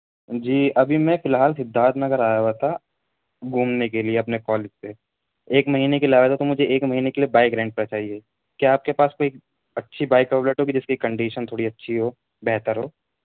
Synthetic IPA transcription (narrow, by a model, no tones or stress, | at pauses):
d͡ʒiːɐbʱimɛ̃fɪlɦaːlsɪd̪ʱːaːt̪nɐɡəɾaːjaɦat̪ʰa | ɡʱũːmnekelieɐpnekɔːlɪd͡ʒse | eːkmɐɦiːnekeliaːʋət̪ʰat̪omʊd͡ʒʱeʔeːkmɐɦiːnekeliebaːɪɡɾãːɳɖ̚pɐɾt͡ʃaːɦie | kjaaːp̚kepaːskoːi | ɐtːʃʰibaːɪkəbleʈɦoːɡid͡ʒɪskikɐ̃ɳɖiːʃənt̪ʰoːɽiɐtːʃʰiɦoː | bɛɦt̪əɾɦoː